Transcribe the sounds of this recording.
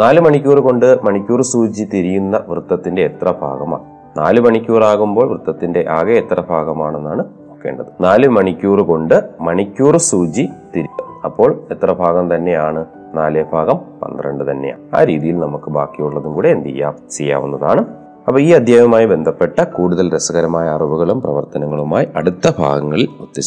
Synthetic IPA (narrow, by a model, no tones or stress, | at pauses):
naːlɨmɐɳikʲːuːrɨko̞ɳɖɨmɐɳikʲːuːrsuːd͡ʑit̪iɾijunːɐʋrɨt̪ːɐt̪ːinde̞ːt̪rɐbʱa̰ːɣɐma̰ː | na̰ːlɨmɐɳikʲːuːraːɣumbo̞ːɭʋrɨt̪ːɐt̪ːinde̞ʔaːɣɐet̪rɐbʱaːɣɐmaːɳenːaːɳɨnoːkːeːɳɖɐðɨnaːlɨmɐɳikʲːuːrɨko̞ɳɖɨmɐɳikʲːuːrsuːd͡ʑit̪iɾiɐɐpːo̞ːɭe̞t̪rɐbʱaːɣɐmt̪ɐnːe̞jaːɳɨ | naːlebʱaːɣɐmpɐ̰nd̪rɐɳɖɨt̪ɐnːḛja̰ːa̰ːɾiːðijilnɐmukːɨbʱa̰ːkːijuɭːɐðumkuːɽeːnd̪ḭjːa̰ːmt͡ɕejːa̰ːʋṵnːɐða̰ːɳɨ | ɐpːɐːiːɐd̪ʱjaːjɐmaːjibe̞nd̪ʱɐpːe̞ʈːɐkuːɽuðɐlɾesɐɣɐɾɐmaːjaːrubuɣɐɭumprɐʋɐ̰rt̪ɐnɐŋːɐɭumaːjiʔɐɽut̪ːɐbʱa̰ːɡɐŋːɐɭilot̪ːi